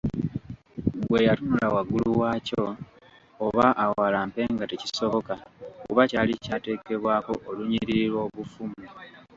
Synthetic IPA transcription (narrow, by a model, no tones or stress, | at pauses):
ɡwe̞jatunulawaɡuluwaːcoː | βaʔawalaːmpe̞ːŋɡateci̥so̞βo̞kakṵβacaːlicaːte̞ːke̞βwaːko̞ʔːluɲiɾiiɾwo̞ːβufumu